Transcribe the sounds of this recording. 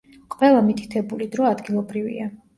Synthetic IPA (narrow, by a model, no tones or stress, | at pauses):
qʼwɛlˠamit̪ʰi̥t̪ʰɛbulid̪ɾɔad̪ɡilˠɔbɾivḭa